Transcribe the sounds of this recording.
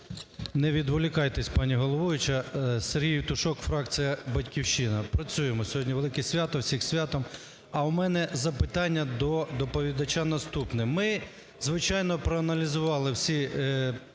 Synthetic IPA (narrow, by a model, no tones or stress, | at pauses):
nɛʋʲid̪ʋɔlʲɪkɑjt̪ɛsʲpɑnʲiɦɔlˠɔʋɔʋɪt͡ʃɐseɾʲɦijwt̪ʊʃɔkfɾɑkt͡s̪sɨjɐbɐtʲkʲiwʃɪnɐpɾɐt͡sʲujemɔsʲɔɦɔdʲnʲiʋelˠɪkɛsʲʋʲat̪ɔwsʲixsʲʋʲat̪ɔm | ɐwmɛnɛzɐpɪt̪ɑnʲːɐd̪ɔd̪ɔpɔʋʲid̪ɐt͡ʃanɐst̪upnɪmɪ | zʋɪt͡ʃɑjnɔpɾɔɐnɐlʲizʊʋɑlˠɪwsʲi